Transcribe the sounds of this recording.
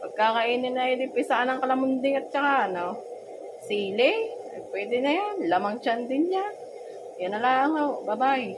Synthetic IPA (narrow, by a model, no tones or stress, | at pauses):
pɐɡ̚kakɐʔiːnɪŋnɐjad̪ɪpɪsaʔanɐŋkɐlɐmʊnd̪ɪŋɐt̪̚t͡ʃɐkaʔɐno | siːlɛnɐɡ̚pwɛːd̪ɪnɐjanlamɐŋt͡ʃand̪ɪnɲa | janɐlaɐŋaowbɐbaʔɪ